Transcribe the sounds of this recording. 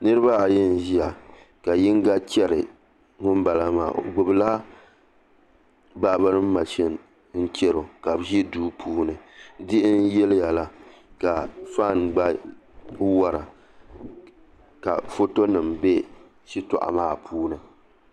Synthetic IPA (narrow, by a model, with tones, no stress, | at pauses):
nɨ˦ɾɨ˦ba˦a˨jɛ˦n˨ʒi˦a˨ | ka˨ji˦ŋ˦ɡa˦t͡ʃɛ˦ɾɨ˨ | ŋʊ˦m˦ba˨la˦ma̰ː˨ɡ͡bʊ˨bɨ˨la˦ | ba˦ba˦ɾɨ˦m̩˦ma˨ʃɛ˦n˨ | n̩˦t͡ʃɛ˦ɾo˨ka˨bʒi˦duː˦pʰuː˦nɨ˨dɪ˦ʔɪ˦n˦jɛ˦lɪ˦ja˨la˦ka˨fa˦˨nɡ͡ba˦ | wa˦ɾa̰˨ | ka̰˨fo˦to˦nɨ˨mbe˦ | ʃi˦tɔ̰˨ʔa̰˨maː˦˨pʰuː˦nɨ˨